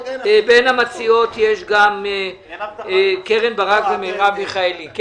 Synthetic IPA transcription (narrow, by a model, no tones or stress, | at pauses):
benhamat͡sio̞t̪jeʃɡame | keʁenbaʁakzemeʁabmiχaelik